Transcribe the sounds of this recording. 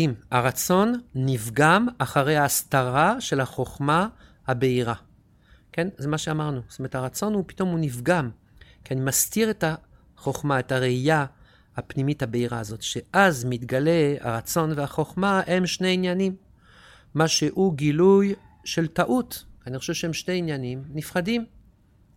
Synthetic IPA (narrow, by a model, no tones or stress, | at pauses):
imaʁat͡so̞nːivɡamaχaʁe̞jhaːst̪aʁaʃe̞laχo̞χma | habe̞iʁa | ke̞nzemaʃeamaʁnustometaʁat͡so̞nhupi̥to̞munivɡam | kianimastiʁeta | χo̞χmaetaʁeija | hapnimithabe̞iʁa̰zo̞tʃeʔazmit̪ɡale̞a̰ʁat͡so̞nveaχo̞χmae̞mʃne̞injanimː | aʃe̞ʔuɡiluj | ʃe̞ltaʔutanixχo̞ʃevʃeemʃneinjanimnifχadim